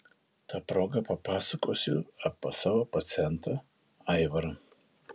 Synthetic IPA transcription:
t̪ɑpɾoːɡɐpɐpɑːsɐkoːsʲʊɐpɐsɑːʋopɐt̪sʲɛnt̪ɐ | ɐɪʋɐɾ

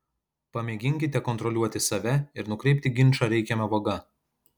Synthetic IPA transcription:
pɐmʲɛɡʲɪŋʲkʲɪt̪ʲɛkɔnt̪ɾɔlʲuɔt̪ʲɪsɐʋʲɛɪɾnʊkɾʲɛɪpʲt̪ʲɪɡʲɪnʲˑt͡ʃɐːɾʲɛɪkʲɛmʲɛʋoːɡɐ

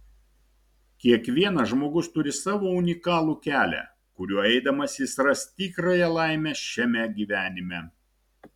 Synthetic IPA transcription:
kʲiɛkʋʲiɛnɐʒmoːɡʊst̪ʊɾʲɪsɑːʋoːʊnʲɪkɑːlˠuːkʲæːlʲɛ̰ | kʊɾʲuɔɛɪd̪ɐmɐsʲɪsɾɐst̪ʲiːkɾɑjɛlˠɑˑɪmʲɛʃʲɛmʲɛɡʲiːʋʲæːnʲɪmʲɛ

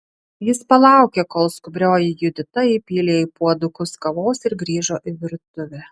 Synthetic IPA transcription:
jɪspɐlˠɑˑʊkʲeːkoːlˠskʊbʲɾʲoːjɪjʊd̪ʲɪt̪ɐiːpʲiːlʲeːɪpuɔd̪ʊkʊskɐʋoːsɪɾɡɾʲiːʒoːʔɪʋʲɪɾt̪ʊʋʲɛ

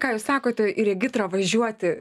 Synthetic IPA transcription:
kɑːjuːssɑːkoːt̪ʲɪɪɾʲɛɡʲɪt̪ɾɐʋɐʒʲuɔt̪ʲɪ

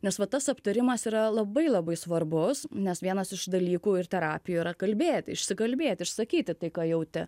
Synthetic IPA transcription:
nʲɛsʋɐt̪ɐsɐpt̪ɐɾʲɪmɐsiːɾɐlˠɐbɐɪlˠɐbɐɪsʋɐrbʊsnʲɛsʋʲiɛnɐsɪʃd̪ɐlʲiːkuːɪrt̪ʲɛɾɑːpʲɪjuiɾɐkɐlʲbʲeːt̪ʲɪʃʲsʲɪkɐlʲbʲeːt̪ʲɪʃsɐkʲiːt̪ʲɪt̪ɐɪkɑːjɛʊt̪ʲɪ

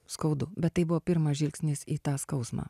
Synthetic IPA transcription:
skɐʊd̪ʊbʲɛt̪t̪ːɐɪbʊʋoːpʲɪɾmɑʒʲɪlʲksʲnʲɪsiːt̪ɑːskɒʊsmɑ̰ː

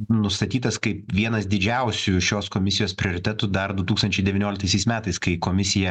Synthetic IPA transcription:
nʊst̪ɐt̪ʲiːt̪ɐskɐɪpʋʲiɛnɐsd̪ʲɪd͡ʒʲɛʊsʲuʃʲoːskoːmʲɪsʲɪjoːspʲɾʲɪoːɾʲɪt̪ʲɛt̪ʊd̪ɐɾd̪ʊt̪uːkst̪ɐnʲt͡ʃʲɛɪd̪ʲɛʋʲɪnʲoːlʲɪkt̪ɐɪsʲɛɪsmʲæːt̪ɐɪskɐɪkoːmʲɪsʲɪjɛ

